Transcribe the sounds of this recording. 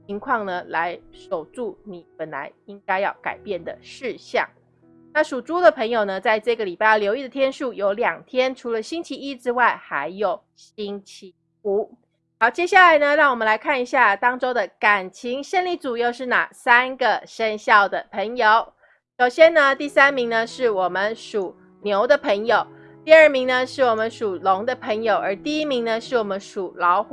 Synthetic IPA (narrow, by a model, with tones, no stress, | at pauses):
t͡ɕʰi˧˥ŋkʰwɑ˥˩ŋnə˨la˧˦˥ɪʂo˨˩ʊʈ͡ʂu˥˩ni˨˩pə˨˩nla̰˧˦ɪi˦ŋka˥ɪjɑ˥˩ʊka̰˨˩ɪpjɛ˥˩nd̪ə̰˩ʂɻ̩˥˧ɕjɑ̰˥˨˩ŋ | na˥˩ʂu˨˩ʈ͡ʂu˥d̪ə˨pʰə˧˥ŋjo˨ʊnə˦t͡sa˥˧ɪʈ͡ʂɤ˥˩ɡə˩li˨˩pa˥˧˩ɪ˥˩ljo˧ʊi˥˩d̪ə˩t̪ʰjɛ˥nʂu˥˩jo˧˥ʊljɑ˨˩ŋt̪ʰjɛ˥nʈ͡ʂʰu˧˥lə˧ɕi˥nt͡ɕʰi˧˥i˦˥ʈ͡ʂɻ̩˥wa˥˩ɪxa˧˦˥ɪjo˨˩ʊ | ɕi˥nt͡ɕʰi˧˥ | u˨˩˦ | xɑ˧˥ʊt͡ɕjɛ˥ɕja˥˩la˧˥ɪnə˧ɻɑ˥˩ŋwɔ˨˩mə̃˨˦nla˧˥ɪkʰa˥˩ni˧˥ɕja˥˩t̪ɑ˥ŋʈ͡ʂo˥ʊd̪ə˨ka˨˩nt͡ɕʰi˧˥ŋʂə˥˧nli˥˩t͡su˨˩jo˥˧ʊʂɻ̩˥˩na̰˨˩sa˥nɡə˨ʂə˥˧nɕjɑ˥˩ʊd̪ə˩pʰə˧˥ŋjo˨˦ʊ | ʂo˨˩ʊɕjɛ˥nnə˧t̪i˥˩sa˥nmi˧˥ŋnə˧ʂɻ̩˥˩wɔ˨˩mə˦nʂu˨˩ | njo˧˥ʊd̪ə˨pʰə˧˥ŋjo˨˩ʊ | t̪i˥˧ə˞˥˩mi˧˥ŋnə˧ʂɻ̩˥˩wɔ˨˩mə˦nʂu˨˩lo˧˦˥ŋd̪ə˧pʰə˧˥ŋjo˨ʊʔə˞˧˥t̪i˥˧i˥mi˧˥ŋnə˧ʂɻ̩˥˩wɔ˨˩mə˦nʂu˨˩lɑ˧˥ʊx